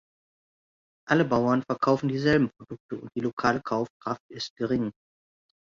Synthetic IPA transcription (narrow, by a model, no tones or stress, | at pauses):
ʔaləbaʊɐnfɛɐkʰaʊfn̩diːzɛlbm̩pʁ̥odʊk̚təʊnt̚d̥iːlokʰaːləkʰaʊfkʁ̥aftɪst̚ɡ̥əʁ̞ɪŋ